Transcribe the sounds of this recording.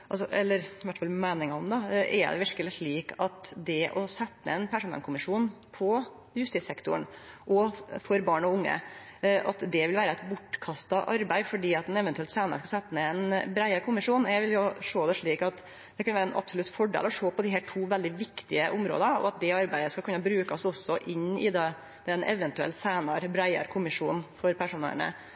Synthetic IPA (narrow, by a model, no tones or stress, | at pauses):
ʔɑls̬ɔʔɛlːəɾɪʋæʈːfɑlmæːnɪŋɑɔmd̪ɑʔɛ̰d̪ɛ̰ʋɪɾkəlɪt̪ɭiːkɑt̪d̪ɛʔɔsɛt̪ːə̰ɛnpʰæʂuːnə̰lkʊmɪʂuːnpʰɔ | jʉst̪iːsɛkt̪ʊɳʔɔfɔɾbɑːɳɔʊŋːə̰ʔɑt̪d̪ɛʋɪlʋæːɾəæɪt̪bʊʈːkʰɑst̪ɑʔɑɾbæɪfɔɖiːɑt̪d̪ɛnɛʋɛnt̪ʉɛlt̪sæːnəɾəskɑsɛt̪ːəəɛnbɾæɪɑɾkʰʊmɪʂuːnjæʋɪljʊʂoːd̪ɛʂɭiːkɑt̪ | d̪̥ɛkʰɑnʋæːɾəɛnʔɑ̰bsʊlʉt̪fɔɖḛlɔʂoːpʰɔd̪ɪɦæːʈʰuːʋɛld̪ɪʋɪkt̪ɪəʔʊmɾo̰ːd̪əɔ̰ɑt̪̚d̪ɛɑɾbæɪəskɑlkʉnːɑbɾʉːkɑsɔsːɔʔɪnːɪd̪ɛ | d̪̥ɛnʔɛ̰ʋɛnt̪ʉɛ̰lt̪sæɪnɑɾbɾæɪə̰ɾkʰʊmɪʂuːnfɔɾpʰæʂʊːnḛɳə̰